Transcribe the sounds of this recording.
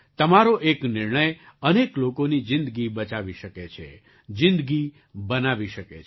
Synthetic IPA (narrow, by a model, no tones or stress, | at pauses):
t̪əmaɾoʔeknɪɾɳ̃əjəneklokonid͡ʒɪ̃nd̪əɡibət͡ʃaʋiʃəket͡ʃʰḛ | d͡ʒɪ̃nd̪ɡi | bənaʋiʃəket͡ʃʰ